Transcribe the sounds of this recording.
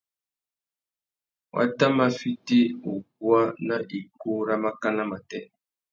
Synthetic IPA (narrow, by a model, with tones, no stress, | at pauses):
wʔa̰˦ta˦ma˦fi˦te˦o˨k̚wa˦na˦ʔi˨ko˦ɾa˦ma˦ka˦na˦ma˨tɛ˦